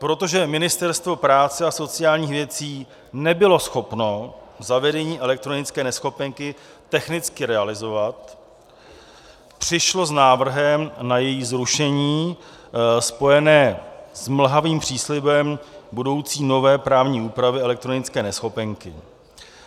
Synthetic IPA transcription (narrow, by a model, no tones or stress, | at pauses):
pɾo̞t̪o̞ʒɛmɪnɪst̪ɛɾst̪vo̞pɾaːt͡sɛaso̞t͡sɪjaːlɲiːxvjɛt͡siː | nɛbɪlo̞sxo̞pno̞zavɛdɛɲiːʔɛlɛk̚t̪ɾo̞nɪt͡skɛːnɛsxo̞pɛŋkɪ | t̪ɛxnɪt͡skɪɾɛalɪzovat̪ | pr̝̥ɪʃlo̞znaːvr̩ɦɛmnajɛjiːzɾuʃɛɲiː | spo̞jɛnɛːzml̩ɦaviːmpr̝̥iːslɪbɛmbudo̞wt͡siːno̞vɛːpɾaːvɲiːuːpɾavɪɛlɛkt̪ɾo̞nɪt͡skɛːnɛsxo̞pɛŋkɪ